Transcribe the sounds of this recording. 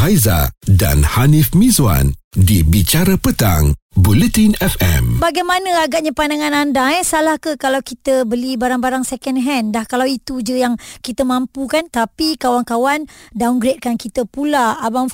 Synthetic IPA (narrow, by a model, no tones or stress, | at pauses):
ajza̰da̰nhanifmĩza̰ndibit͡ʃaɾapət̪a̰ŋbulət̪inɛfɛ̰mbaɡajmanə̃aɡaʔ̚ɲapandaŋãnandasalahkəkalawkit̪əbəlibaɾaŋbaɾaŋsɛkənɦɛndahkalawit̪ud͡ʒəjaŋkit̪əmãmpukant̪apikawankawandanɡɾet̪̚kankit̪əpulaːbam